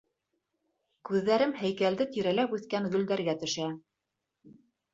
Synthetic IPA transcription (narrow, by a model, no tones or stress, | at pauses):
kʉðːæɾɘmhæjkæld̪ɘt̪iɾælæpʉθkæŋɡɵ̆ld̪æɾɡæt̪ɵ̆ʃæ